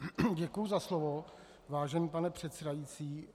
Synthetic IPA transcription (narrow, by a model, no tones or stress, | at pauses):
ɟɛkujuzaslovo | vaːʒɛniːpanɛpr̝̥ɛt̪sɛdajit͡siː